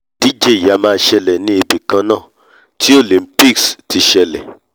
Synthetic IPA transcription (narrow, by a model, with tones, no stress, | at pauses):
d̥i˦d͡ʒe˦˨ja˨˦mãː˧ʃɛ˧lɛ˨nĩ˦e˧bi˨kã˧nãː˦˨ | ti˦o˦˨lĩ˨˧m˦pi˦ksti˧ʃɛ˧lɛ̰˨